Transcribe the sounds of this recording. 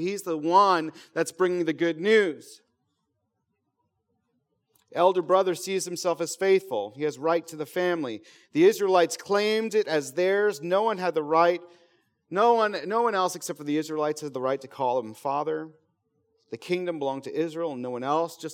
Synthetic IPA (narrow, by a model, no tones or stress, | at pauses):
hizðəwʌ̃nðɨtsb̥ɹɪ̃ŋɪ̃ŋðɨɡʊdⁿnʉz̥ | ɛlˠdə˞bɹʌðə˞siz̥hɨ̃m̩sɛlˠfɨz̥feɪθfl̩ˠiɨzɹaɪtʰɨðɨfæ̃mli | ðiɪzɹilaɪtskʰl̥ẽɪ̃mdɨɾɨzðə˞znoʊwʌ̃nɨd̪̚ðəɹaɪt̚ | noʊwʌ̃nːoʊwʌ̃ñɛlˠsɨksɛp̚tfə˞ðiɪzɹilˠaɪtshɨd̪̚ðəɹaɪtʰɨkʰɔlˠə̃ɱfɑðə˞ | ðɨkʰɪ̃ŋdɨ̃mbəlɔ̃ŋtʰɨʔɪzɹil̩ˠə̃nːoʊwʌ̃nɛlˠsd̥ʒ̥ʌs